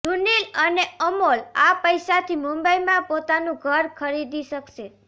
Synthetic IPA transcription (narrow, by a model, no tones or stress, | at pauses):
d̪ʱuniləneəmolapəjʃat̪ʰimumbəimãpot̪anũɡʱəɾkʰəɾid̪iʃəkʃe